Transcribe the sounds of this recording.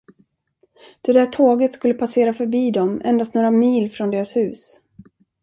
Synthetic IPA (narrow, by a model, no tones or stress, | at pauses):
d̪̥ɛd̪æʈʰoːɡət̪skɵlːəpʰaseːɾafœɾbiːd̪ɔmʔɛ̰nd̪ast̪noːɾamiːlfɾɔnd̪eːɾashʉ̟ːs